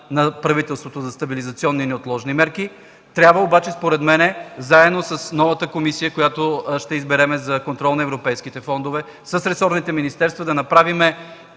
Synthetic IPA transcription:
nɐpɾɐvit̪ɛlˠst̪vot̪ozɐst̪ɐbilizɐt̪siɔnːinɛot̪lˠɔʒnimɛɾki | t̪ɾʲabvəobat͡ʃɛspoɾɛd̪mɛnɛzaɛd̪nosəsnɔvət̪əkomisijəkojat̪oʃt̪ɛizbɛɾɛmɛzɐkont̪ɾɔlˠnɐɛvɾopɛjskit̪ɛfɔnd̪ovɛ | sɐsɾɛsɔɾnit̪ɛminist̪ɛɾst̪vɐd̪ɐnɐpɾavimɛ

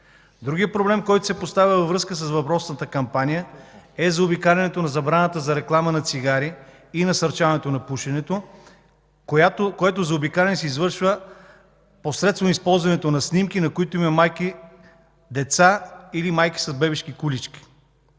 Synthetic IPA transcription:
d̪ɾuɡijəpɾoblɛmkɔjt̪o̥sɛpost̪avʲjəvɐvɾɤskəs̬əsvɐpɾɔsnət̪əkɐmpanijəɛzɐobikaɾʲɐnɛt̪onɐzɐbɾanət̪əzɐɾɛklˠamənɐt̪siɡaɾi | inɐsɐɾt͡ʃavɐnɛt̪onɐpuʃɛnɛt̪o | kakoɛt̪ozɐobikaɾʲɛnɛsɛizvɤɾʃvə | posɾɛt̪st̪vomispɔlˠzvɐnɛt̪onɐsnʲimkinɐkoit̪oimɐmajki | d̪ɛt̪sailimajki̥sɐzbɛbɛʃkikulit͡ʃkʲi̥

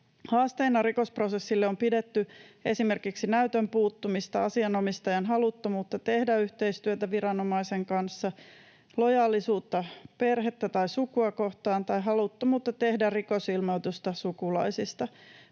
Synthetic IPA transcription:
hɑːst̪einːɑriko̞sprosesːilːeo̞mpidet̪ːye̞̰simerkiksinæyt̪ømpuːt̪ːumist̪ɑɑsiɑno̞mist̪ɑjɑnɦɑlut̪ːomuːt̪ːɑt̪e̞hdæyht̪eist̪yøt̪æʋiɾɑno̞mɑise̞ŋkɑnsːɑ | lo̞jɑːlːisuːt̪ːɑpe̞rɦet̪ːæt̪ɑjsukuɑko̞ht̪ɑːnt̪ɑjɦɑlut̪ːomuːt̪ːɑt̪e̞hdæriko̞silmowt̪ust̪ɑsukulɑ̰isist̪ɑ

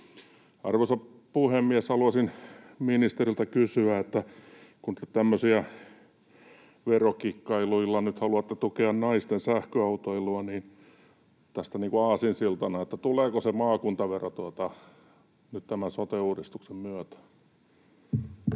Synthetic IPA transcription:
ɑ̰rʋosɑ | puhemːiæshɑluɑsinminist̪erilt̪ækysyæet̪ːækunĭt̪ːet̪t̪æmːøsiæ | ʋerokikːɑiluilːɑnyt̪hɑluɑt̪ːet̪ukeɑnnɑist̪ensæhkøɑut̪oiloɑniːn | t̪æst̪æniːŋkuɑːsinsilt̪ɑnɑet̪ːæt̪uleːkosemɑːkunt̪ɑʋerot̪uot̪ɑ | nyt̪t̪æmænsot̪euːdist̪uksemmyøt̪æ̥

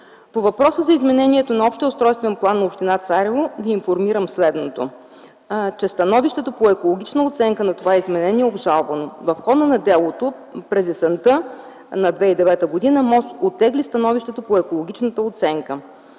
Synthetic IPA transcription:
povɐpɾɔsəzɐizmɛnɛniɛt̪onɐɔpʃt̪ɛʊst̪ɾɔjst̪vɛnplˠanːɐopʃt̪inat̪saɾʲɛvovʲiːnfoɾmiɾəmslɛd̪not̪o̰ | t͡ʃɛst̪ɐnɔviʃt̪ɛt̪opoɛkolˠoɡ̟ʲit͡ʃnəot̪sɛŋkənɐt̪ovaɛizmɛnɛniɛobʒalˠvənovɐfxɔd̪ənɐd̪ɛlˠot̪o | pɾɛzɛsɛnt̪ɤ | nɐd̪vɛid̪ɛvɛt̪əɡod̪inəmɔsot̪ːɛɡlist̪ɐnɔviʃt̪ɛt̪opoɛkolˠoɡ̟ʲit͡ʃnət̪əot̪sɛŋkə

